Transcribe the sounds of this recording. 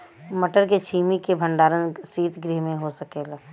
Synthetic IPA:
mɐʈəɾket͡ʃʰiːmikebʱə̃ɳɖaːɾənsiːt̪ʰɡɾiɦmẽɦosɐkeːlaː

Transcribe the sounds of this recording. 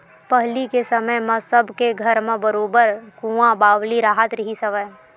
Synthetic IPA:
pəɦlikesəməjmãsəbʱkeɡʱɐɾmẽbəɾoːbəɾkũːãbaːʋliɾaːɦət̪ɾɐɦisɐʋəj

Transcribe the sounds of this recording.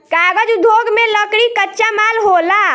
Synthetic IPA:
kaɡəd͡ʒud̪ʱoɡmeləkɽikətːt͡ʃamalɦola

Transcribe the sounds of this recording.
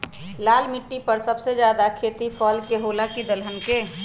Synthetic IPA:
laːlmɪʈːipəɾsəbsed͡ʒjaːd̪akʰeːt̪ipʰɔːlkeɦolakid̪əlɦənke

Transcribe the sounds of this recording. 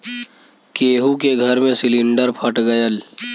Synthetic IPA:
keːɦukeɡʱəɾmẽsɪlɪ̃ɳɖəɾpʰəʈɡəjəl

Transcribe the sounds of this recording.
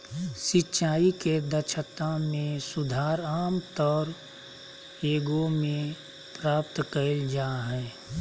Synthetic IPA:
sɪtːʃaːiked̪ət͡ʃʰət̪amẽsʊd̪ʱaːɾaːmt̪ɔːɾ | eːɡomẽ | pɾaːp̚t̪kəɾld͡ʒaːɦɛː

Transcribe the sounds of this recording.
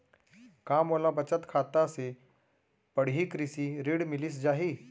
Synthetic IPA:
kaːmoːlabət͡ʃət̪kʰaːt̪ase | pɐɽ̤ikɾɪsiɾeːɽmɪlɪs̬d͡ʒaːɦiː

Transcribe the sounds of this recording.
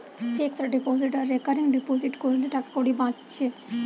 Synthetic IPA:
ʃeksɾaɖiposiʈaɾːekaɾiŋɖiposiʈkoɾleʈakakoɽibãtːɕʰe

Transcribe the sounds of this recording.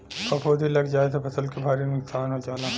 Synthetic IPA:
kɐpʰoːd̪ʱilɐɡd͡ʒaːet̪̬opʰɐsəlkebʱaːɾinʊksaːnɦod͡ʒaːla

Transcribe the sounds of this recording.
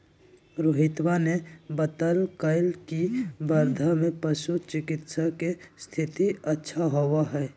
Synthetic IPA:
ɾoɦɪt̪wanebət̪əlkaɪlkibəɾd̪ʱamẽpəʃut͡ʃɪkɪt̪sakest̪ʰɪt̪iətːʃʰaɦowaɦɛː

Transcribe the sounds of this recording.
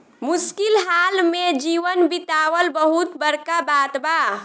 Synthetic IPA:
muskilɦalmed͡ʒiʋənbit̪aʋəlbəɦut̪bəɾkabat̪ba

